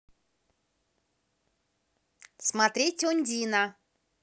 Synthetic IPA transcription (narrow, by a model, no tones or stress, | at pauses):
smɐt̪ɾʲetʲonʲd̪ʲinə